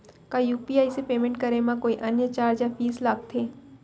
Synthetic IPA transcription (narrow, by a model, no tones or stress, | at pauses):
kajuːpiaːisepeːmẽɳʈ̚kəɾemãkoːiʔɐnjət͡ʃaːɾd͡ʒafiːslaːk̚t̪ʰeː